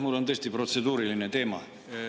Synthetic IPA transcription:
mulːont̪est̪iprot̪sed̪uːɾilinet̪eːmɑ̰

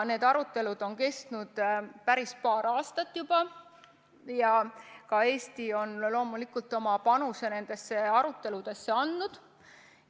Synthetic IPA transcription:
ne̞ːd̪̥ɑɾut̪ːˑe̞lud̪̥o̞nke̞st̪nud̪̥pæɾispɑːɾɑːst̪ɑt̪ːˑjub̥ɑ | jɑkɑe̞ːst̪io̞nlo̞ːmulikult̪ːˑo̞mɑpɑnuse̞ne̞nd̪̥e̞sːe̞ɑɾut̪ːˑe̞lud̪̥e̞sːeɑnd̪nud̪̥

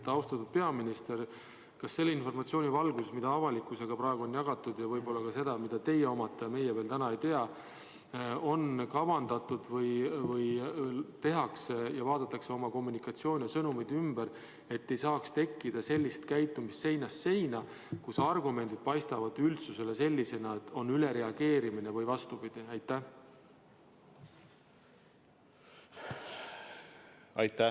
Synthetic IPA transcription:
t̪ɑwst̪ɑt̪ːud̪̚pe̞ɑminist̪e̞r | kɑsːe̞lːinfo̞rmɑt̪sio̞ːnʲivɑlɡusesmid̪̥ɑɑvɑlikːˑuse̞ɡ̥ɑprɑːe̞ɡuo̞njɑɡ̥ɑt̪ːˑud̪̥jɑvɤjbo̞lːɑkɑse̞d̪̥ɑmid̪̥ɑt̪e̞jeo̞mɑt̪ːˑejme̞jeve̞ːlt̪ænɑe̞jt̪e̞ɑ | o̞nkɑvɑnd̪ɑt̪ːˑud̪̥vɤjvɤjt̪e̞ɦɑksejɑvɑːd̪̥ɑt̪ːˑɑkse̞o̞mɑko̞mːunikɑt̪sio̞ːnʲjɑsɤnumejd̪ymbeɾ | e̞t̪ːe̞jsɑːkst̪e̞kːid̪̥ɑse̞lʲːist̪kæjt̪ːˑumist̪se̞jnɑsːe̞jnɑ | kusɑrɡume̞nd̪̥id̪̥̚pɑjst̪ɑvɑd̪̥ylt̪suse̞le̞se̞lʲːise̞nɑet̪ːo̞nːyle̞ɾe̞ɑɡ̥e̞ːɾiminevɤjvɑst̪upid̪̥iæjt̪ːˑæh | ɑjt̪ːæ

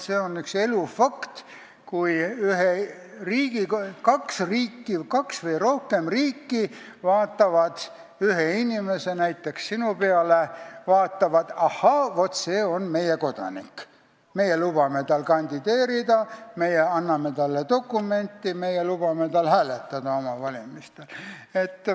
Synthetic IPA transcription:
seːonykse̞lufɑkt̪ | kujyɦe | riːɡ̥ikɑksriːkːikɑksvɤjro̞hke̞mriːkːi | vɑːt̪ːˑɑvɑd̪̥ | yɦeinʲime̞se̞næjt̪ːˑe̞kssinupeɑlevɑːt̪ːˑɑvɑd̪̥ɑhɑvo̞t̪ːse̞ːo̞nme̞jeko̞d̪̥ɑ̰nḭkː | me̞jelubɑme̞t̪ɑlkɑnʲd̪̥id̪̥e̞ːɾid̪̥ɑme̞jeɑnːɑme̞t̪ɑlːet̪o̞kːume̞nʲt̪ːˑimejelub̥ɑme̞t̪ɑlhæːlet̪ːˑɑd̪̥ɑo̞mɑvɑlʲimist̪ele̞t̪ː

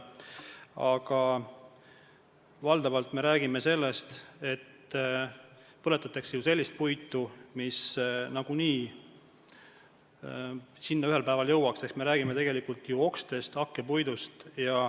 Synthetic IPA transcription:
ɑɡ̥ɑ | vɑld̪̥ɑvɑlt̪ˑme̞ɾæːɡ̥ime̞se̞lːe̞st̪e̞t̪ː | pɤ̞le̞t̪ːˑɑt̪ːˑeksejuse̞lʲːist̪̚pujt̪ːˑumisnɑɡ̥uniː | sinːɑyɦe̞lpæevɑljɤwɑkse̞hksme̞ɾæːɡ̥ime̞t̪e̞ɡ̥e̞likult̪juo̞kst̪e̞st̪ɑkːe̞pujd̪ust̪jɑ

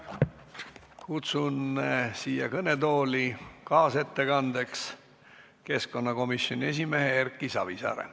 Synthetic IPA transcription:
kut̪sunsiːjɑkɤne̞t̪o̞ːlikɑːse̞t̪ːe̞kɑnd̪̥e̞ks | ke̞sko̞nːɑko̞misjo̞nʲie̞s̬ʲime̞ɦeerkːˑisɑvisɑ̰ːɾḛ

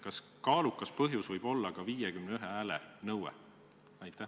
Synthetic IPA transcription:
kɑs | kɑːlukːˑɑspɤɦjusvɤjb̥o̞lːɑkɑviːjekymneyɦeæːlenɤwḛ | æjt̪ːˑæh

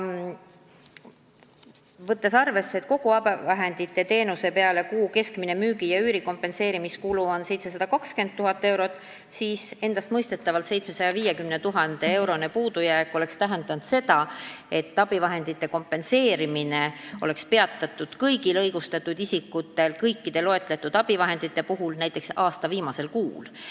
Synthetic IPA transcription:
vɤt̪ːˑe̞sɑrve̞sːet̪ko̞ɡ̥uɑb̥evɑɦe̞nd̪̥it̪ːe̞t̪e̞ːnuse̞pe̞ɑle̞kuːke̞skminemyːɡijɑyːɾiko̞mpːˑe̞nse̞ːɾimiskuluo̞nse̞jt̪ses̬ɑd̪̥ɑkɑkske̞nd̪̚t̪ːuɦɑt̪ːˑe̞wɾo̞t̪ːˑ | siːse̞nd̪̥ɑst̪mɤjst̪e̞t̪ːˑɑvɑlt̪se̞jt̪sme̞sɑjɑviːjekymnet̪uɦɑnd̪̥e̞ewɾo̞ne̞puːd̪̥ujæekːˑo̞le̞kst̪æɦend̪̥ɑnt̪se̞d̪ɑe̞t̪ːɑb̥ivɑɦe̞nd̪̥it̪ːe̞ko̞mpːe̞nse̞ːɾimineo̞̰le̞kspe̞ɑt̪ˑːɑt̪ːˑud̪̥kɤjɡilɤjɡust̪ɑt̪ːˑud̪isikːˑut̪ːˑe̞lkɤjkˑːid̪̥e̞lo̞e̞t̪ˑle̞t̪ːˑud̪ɑb̥ivɑɦe̞nd̪̥it̪ːe̞puɦulnæjt̪ˑːe̞ksɑːst̪ɑviːmɑse̞lkuːl

